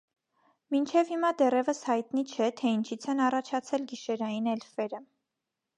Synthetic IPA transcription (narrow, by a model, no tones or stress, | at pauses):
mint͡ʃʰɛvhimɑd̪ɛrɛvəshɑjt̪nit͡ʃʰɛt̪ʰɛint͡ʃʰit͡sʰɛnɑrɑt͡ʃʰɑt͡sʰɛlɡiʃɛɾɑjinɛlfɛɾə